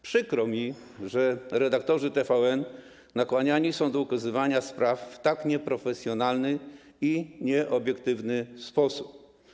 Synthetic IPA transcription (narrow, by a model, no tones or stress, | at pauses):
pʂɘkɾɔmʲi | ʐɛɾɛd̪ak̚t̪ɔʐɘt̪ɛfaɛn | nakwaɲaɲisɔ̃w̃d̪ɔukazɘvaɲaspɾafːt̪akɲɛpɾɔfɛsʲjɔnalnɘ | iɲɛʔɔbʲjɛkt̪ɘvnɘspɔsup̚